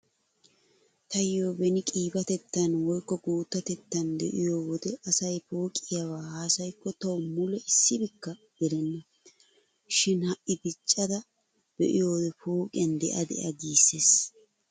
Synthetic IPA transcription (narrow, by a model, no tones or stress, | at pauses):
t̪ɐjoːbɛnɪkʼiːbɐt̪ɛt̪ːɐnwɔjkːɔɡuːt̪ːɐt̪ɛt̪ːɐnd̪ɛ̰ʔɪjoːwɔd̪ɛɐsɐjfo̞ːkʼɪjɐwaːhaːsɐjkːɔt̪ɐwʊmʊlɛɪsːɪbɪkːɐ | d̪̥ɛɾɛnːɐ | ʃɪnhɐʔːɪbɪt͡ʃʼːɐd̪ɐ | b̥ɛ̰ʔɪjoːd̪ɛfo̞ːkʼɪjɐnd̪ɛ̰ʔɐd̪ɛ̰ʔɐɡiːsːeːs